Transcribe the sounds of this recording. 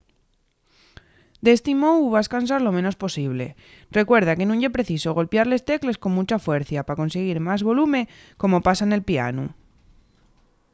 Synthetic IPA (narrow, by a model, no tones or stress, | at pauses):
d̪est̪imouβaskans̬aɾlo̞mẽno̞spo̞siβle̞̰ | re̞kwe̞ɾð̞ake̞nũnepɾe̞θisoɣ̞o̞lpjaɾle̞st̪e̞kle̞sko̞nmut͡ʃafwe̞ɾθjapako̞nse̞ɣ̞iɾmazβo̞lumẽ̞ | ko̞mo̞pasaene̞lpia̰nṵ